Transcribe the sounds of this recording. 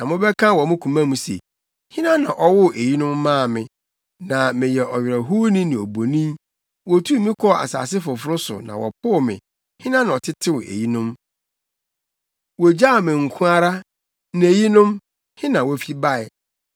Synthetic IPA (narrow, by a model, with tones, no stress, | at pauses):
nã˨mʊ̃˦bɛ˦kʰã˦wɔ˨mʊ̃˦kʰũ˨mã˦mũ˨sḛ˨ | hɪ̃˦nã˦nã˨ʔɔ˦wʊ˦˨ʔe˨ji˦nʊ̃˦mːãː˦˨mɪ̃˨ | nã˨mɪ̃˨jɛ˨ʔɔ˨ɥɪ˨ɾæ˨ɦu˦nĩ˦nĩ˨o˨bo˨nĩ˦ | wɔ˨tʰu˦˨mĩ˦kʰɔ˦a̰˨sa̰ː˨s̬ɪ˦fʊ˨fʊ˦ɾʊ˦sʊ̰˨nã̰˨wɔ̰˨pʰʊ˦˨mɪ̰̃˨ | hɪ̃˦nã˦nã˨ɔ˨tʰɪ˦tʰɪ̃˦wʊ˨ʔḛ˨ji˦nʊ̃˦m | wɔ˨d͡ʑa˦˨mɪ̃˨ŋ̩˨kʰʊ̃˦a˦ɾa˦ | nɪ̃˨e˨ji˦nʊ̃˦m | hɪ̃˦nã˨wɔ˦fi˦ba˦ɛ˨